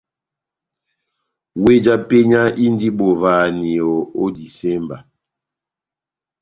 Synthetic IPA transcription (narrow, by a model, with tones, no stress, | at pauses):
we˦d͡ʒa˦pe˦ɲa˦ʔi˦n˦di˦ɓo˨vaː˨ni˨ɔ˨o˦di˨se˦mba˨